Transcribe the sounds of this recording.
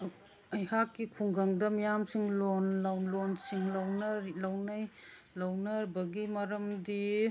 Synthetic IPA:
ɐjhakːikʰuŋɡɐŋdɐmijamsiŋlonlawlonsiŋlɐwnɐɾlɐwnaj | lɐwnɐɾbɐɡimɐɾɐmdi

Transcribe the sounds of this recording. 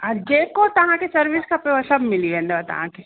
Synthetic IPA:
ɐɾd͡ʒeːkot̪ɐɦãkesɐɾʋɪskɐpeʋɐsɐbmɪliẽnd̪eɐt̪ɐ̰ɦã̰ke

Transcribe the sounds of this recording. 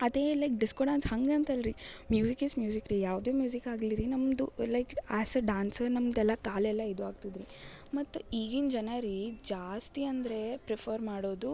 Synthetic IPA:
ɐd̪eːlɐjk̚ɖiskoɖãːnshɐŋɡɐnt̪ɐlɾimjuːzikismjuːzikɾijaːʋd̪eːmjuːzikaːɡliɾinɐmd̪ulɐjkaːsɐɖaːnsɐɾnɐmd̪ɛlːɐkaːlɛlːɐid̪uaːɡt̪id̪ɾimɐt̪ːuiːɡind͡ʒɐnɐɾid͡ʒaːst̪iɐnd̪ɾe̞pɾepʰɐɾmaːɽoːd̪u

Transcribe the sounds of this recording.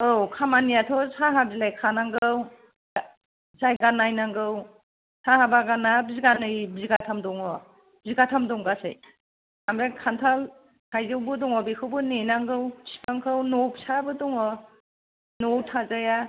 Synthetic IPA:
owkʰamanijatʰɔsaɦabzilajkʰanaŋɡɯw | zajɡanːajnaŋɡɯw | sʰahabaɡanabziɡanɯjbziɡatʰamdɔŋɔ | bziɡatʰamdɔŋɡasɯ̰j | amɾakʰantʰal | hajzɯwbɯdɔŋɔbikʰɯwbɯnenaŋɡɯwsi̥pʰaŋkʰɯwnopsabɯdɔŋɔ | nowtʰazaja

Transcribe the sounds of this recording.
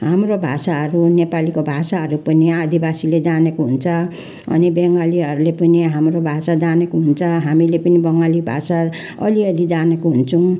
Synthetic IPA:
ɦamrobʱasaɦʌɾunepalikobʱasaɦʌɾupʌniad̪ibasiled͡zanekoɦunt͡sʰʌ | ʌ̰nibeŋɡaliɦʌɾulepʌniɦamɾobʱasad͡zanekoɦunt͡sʰʌɦamilepʌnibʌŋɡalibʱa̰sa | ʌ̰liʌlid͡zanekoɦunt͡sʰũ

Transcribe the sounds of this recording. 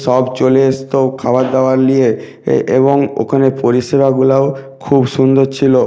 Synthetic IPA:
ʃɔbt͡ɕoleest̪okʰabad̪aoaɾlije | ḛβoŋo̰kʰaneɾpoɾiʃebaɡulao | kʰubʃund̪oɾt͡ɕʰilo

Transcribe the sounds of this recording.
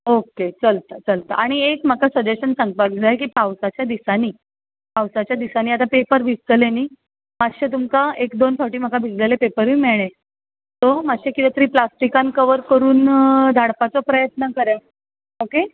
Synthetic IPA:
oket͡səlt̪ət͡səlt̪əʔaɽ̃iekm̤əkasəd͡ʑeɕənsãŋɡ̚pəɾk̚d͡zʱaekiːpawsat͡ɕjad̪isaniː | pawsat͡ɕjad̪isaniːat̪̬apepəɾʋʱist̪əleniː | maɕet̪umkaekd̪onfʰɔɾʈiːm̤əkabʱid͡zlelepepəɾʋiːmeɭ̃ẽ | t̪omaɕekit̪et̪əɾiːplasʈikãnkəʋəɾkəɾuːnd̪ʱaɽpat͡sɔpɾəjət̪nəkəɾja | oke

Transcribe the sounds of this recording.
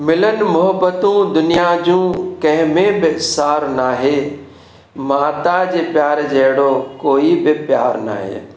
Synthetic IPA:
mɪlənmʊɦəbət̪ũːd̪ʊnijad͡ʑũːkɐ̃ɦɪ̃mẽbɪsaːɾnaːɦeː | maːt̪ad͡ʑepjaːɾd͡ʒeːɽokoːibɪpjaːɾna̰ːɦḛː

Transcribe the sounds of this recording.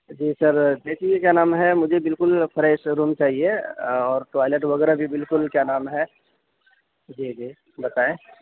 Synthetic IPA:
d͡ʒiːsəɾd̪eːsiekjanaːmɦɛmʊd͡ʒʱebɪlkʊlpʰəɾɛːʃɾuːnt͡ʃaːɦieɔːɾʈwaːɪleʈ̬ʋɐɡɛːɾabʱibɪlkʊlkjanaːmɦɛ | d͡ʒiːd͡ʒiː | bɐt̪aːẽ

